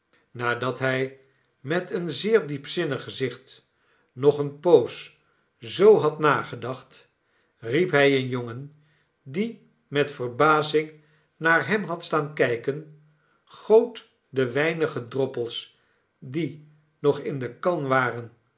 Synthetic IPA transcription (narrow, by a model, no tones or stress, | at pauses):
naːdɑtɦɛj | mɛtʰənzɪːɹdipsɪnəχəzɪχt | nɔχənpows | zowɦɑtnaːχədɑχt | ripɦɛjənjoŋən | di | mɛtfəɹbaːzɪŋ | naːɹɦɛmɦɑtstaːnkɛjkən | χowt | dəʋɛjnəχədrɔpəlˠs | di | nɔχɪndəkɑnʋaːrən